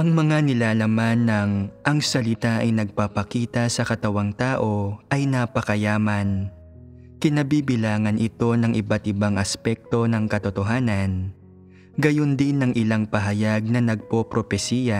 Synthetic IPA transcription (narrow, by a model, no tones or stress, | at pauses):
ʔɐŋmɐŋanɪlalɐmanːɐŋʔɐŋsɐlɪt̪aʔɐjnɐɡ̚papɐkiːt̪ɐsɐkɐt̪ɐwaŋt̪aːʔo̞ʔɐjnɐpɐkɐjaːmɐn | kɪnɐbiːbɪlaːŋɐnʔɪt̪o̞nɐŋʔɪbat̪ʔɪbaŋʔɐspɛk̚t̪o̞nɐŋkɐt̪ot̪o̞ɦaːnɐn | ɡɐjond̪ɪnːɐŋʔɪlaŋpɐɦɐjaɡ̚nɐnɐɡ̚popɾopɛsiːjɐ